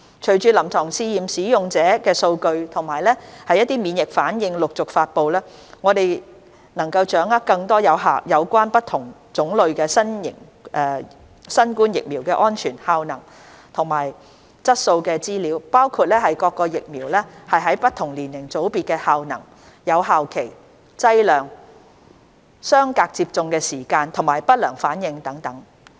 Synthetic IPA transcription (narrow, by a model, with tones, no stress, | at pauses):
t͡ʃʰɵ˨˩ɥt͡ʃyː˧lɐ˨˩mt̪ʰɔː˨˩ŋsiː˧jiː˨msiː˨˥jʊ˨ŋt͡sɛː˨˥kɛː˧so˧wkɵ˧ɥt̪ʰʊ˨˩ŋmaː˨˩jlɛː˥hɐ˨jːɐ˥t̪̚iː˥miː˨˧njɪ˨k̚faː˨˥njɪ˨˧ŋlʊ˨k̚t͡sʊ˨k̚faː˧t̚po˨wlɛː˥ŋɔː˨˧t̪e˨j | nɐ˨˩ŋkɐ˧wt͡ʃœː˨˥ŋɐ˥kɐ˧ŋt̪ɔː˥jɐ˨˧wɦa˨jɐ˨˧wkʷaː˥npɐ˥t̪ʰʊ˨˩ŋt͡sʊ˨˥ŋlɵ˨˧ɥkɛː˧sɐ˥nɪ̰˨˩ŋ | ɛː˨˧ | sɐ˥nkuː˥njɪ˨k̚miː˨˩wkɛː˧ʔɔː˥nt͡ʃʰyː˨˩nhaː˧wnɐ˨˩ŋ | t̪ʰʊ˨˩ŋmaː˨˩j | t͡sɐ˥t̚so˧wkɛː˧t͡siː˥liː˨˥wpaː˥wkʰuː˧t̚lɛː˥hɐ˨jkɔː˧kːɔː˧jɪ˨k̚miː˨˩wlɛː˥hɐ˨jɦɐ˨˥jpɐ˥t̪ʰʊ˨˩ŋliː˨˩nːɪ˨˩ŋt͡so˨˥wpiː˨t̚kɛː˧haː˧wnɐ̰˨˩ŋ | jɐ˨˧wɦaː˨wkʰe˨˩j | t͡sɐ˥jlœː˨˩ŋ | sœː˥ŋkaː˧k̚t͡siː˧p̚t͡sʊ˧ŋkɛː˧siː˨˩kaː˧nt̪ʰʊ˨˩ŋmaː˨˩jpɐ˥t̚lœː˨˩ŋfaː˨˥njɪ˨˧ŋt̪ɐ˨˥ŋt̪ɐ˨˥ŋ